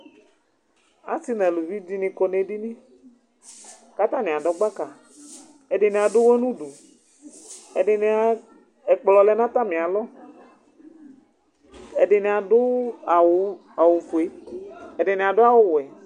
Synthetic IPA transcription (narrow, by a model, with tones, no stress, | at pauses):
a̰˦si˦nɛ̃˨lu˨vi˦di˦nĩ˨ko˦ne˨di˦nĩ˦ | ka˦t̪ã˦nĩ˨a˨ɖɔ˦ɡ͡ba˦ka˨ | e˨ɖɪ˨nĩ˨a˨dʊ˦wo˦nũ˦ɖu˨ | e˨ɖɪ˨n˦a˨ | ɛ˨k͡plɔ˨lɛ˦nã˦t̪a˦mĩ˨a˨lɔ˦ | e˨ɖɪ˨nĩ˨a˨dʊ˦a˨wo˦ | a˨wo˨fo˨e˦e˨ɖɪ˨nĩ˨a˨dʊ˦a˨wʊ˦wɛ˨